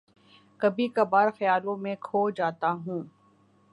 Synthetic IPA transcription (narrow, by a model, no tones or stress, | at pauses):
kɐbikabaːɾxɐjaːlõmẽkʰoːd͡ʒaːt̪aɦũː